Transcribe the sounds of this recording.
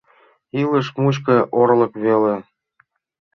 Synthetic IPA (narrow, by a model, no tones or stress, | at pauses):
iləʃmut͡ɕ̬kɤ̆ʔoɾlɤ̆kβele